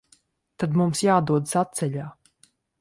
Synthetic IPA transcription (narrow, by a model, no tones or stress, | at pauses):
t̪ad̪mumsjaːd̪uɔd̪sat̪sɛʎaː